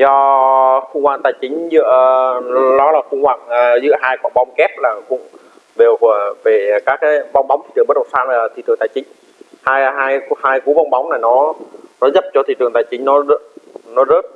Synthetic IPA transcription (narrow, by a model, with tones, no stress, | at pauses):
zɔ˧xʊ˧ŋ͡mwa̰ː˧˨ŋt̪aː˨˩jt͡ɕï˨˦ŋ̟zɨ̰˧˥ə | lɔ˨˦laː˨˩xʊ̰˧ŋ͡mhwa̰ː˧˨ŋəː˨˩zɨ̰˧˥əɦaː˧jkwɔ̰˧˩ɓa˧wŋ͡mkɛ˦˥p̚laː˨˩kʊ̰˧˥ŋ͡m | ve˨˩wkə˧˩əve˨˩kaː˦˥k̚ːaː˨˦jva˧wŋ͡mɓa˨˦ŋ͡mt̪ʰi˧˩tɨ˨˩ə˦˥t̚ɗə˨˩saː˧na˨˩a˨˩t̪ʰḭ˧˩tɨ˨˩əŋt̪aː˨˩t͡ɕï˨˦ŋ̟ | haː˧jɦaː˧jhaː˧jku˨˦va˧wŋ͡mɓa˨˦wŋ͡mnaː˨˩jnɔ˨˦nɔ˨˦zə˦˥p̚t͡ɕɔ˧t̪ʰḭ˧˨tɨ˨˩əŋt̪aː˨˩jt͡ɕï˨˦ŋ̟nɔ˨˦zə˦˥nɔ˨˦zə˦˥t̚